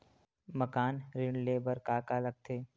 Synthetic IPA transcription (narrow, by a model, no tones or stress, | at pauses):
məkaːnɾɪɳɖleːbəɾkaːkaləɡ̚t̪ʰeː